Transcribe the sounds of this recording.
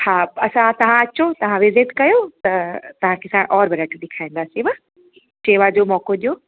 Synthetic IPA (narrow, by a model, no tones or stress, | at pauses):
haːɐsãt̪ɐʋ̤ãɐt͡ɕot̪ɐʋ̤ãʋɪzɪʈkɐjot̪ɐt̪ɐʋ̤ãkʰeːsãʔɔːɾbɪɾɐʈɗ̪ɪkʰaːĩːn̆d̪aːsiʋɐ | t͡ɕeːʋad͡ʑoːmɔːkoɗijoː